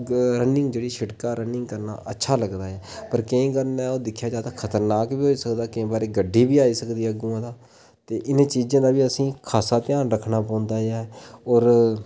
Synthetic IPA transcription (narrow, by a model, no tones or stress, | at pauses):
ɾənɪ̃ŋɡd͡ʒeːɽiːʃɪɽkaːɾənɪŋɡkəɾna̰ːʔə̰tːʃʰaːləɡd̪aːɛːpəɾkẽĩːkəɾnaːoːd̪ɪkʰːjaːd͡ʒaːt̪aːkʰət̪əɾnaːkbiːɦoːiːsəkd̪aːkɪ̃ːbaːɾeːɡəɖʱːiːbiːaːiːsəkd̪iːɛɡũːãːd̪aː | t̪eːʔɪnẽːt͡ʃiːd͡ʒãːd̪aːbiːəsĩːkʰaːsaːt̪ɪjaːnɾəkʰːnaːpãːnd̪aːaːɔːɾ